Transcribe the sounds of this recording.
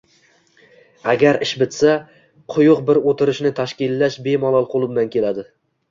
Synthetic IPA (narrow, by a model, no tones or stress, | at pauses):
aɡʲaɾɪʃbɪt̪sa | qʰʊjʊqbɪɾot̪ʰɪɾɪʃnɪt̪ʰaʃkʲɪlːaʃbe̞mɒlˠɒlˠqʰolˠɪbɪnankʲʰe̞lad̪ɪ